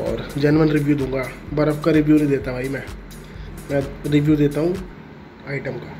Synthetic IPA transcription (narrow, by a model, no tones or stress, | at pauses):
ɔ̰ːɾd͡ʒənmənɾɪʋjuːd̪ũːŋɡaːbəɾəpkaɾɪʋjuːnəĩd̪eːt̪abʱaːimɛ̃ː | mɛ̃ːɾɪʋjuːd̪eːt̪aɦũː | aːɪʈəmkaː